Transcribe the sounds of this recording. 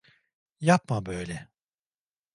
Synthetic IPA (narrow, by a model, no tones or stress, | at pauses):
jap̚mabøjlʲɛ